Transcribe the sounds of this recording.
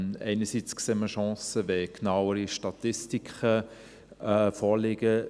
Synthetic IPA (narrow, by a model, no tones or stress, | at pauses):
ɛ̰ɪnəsit͡skseːməʃɑ̃ːsəʋɛknawəɾiʃtɑt̪ɪstikχə | fɔːlɪɡ̥ə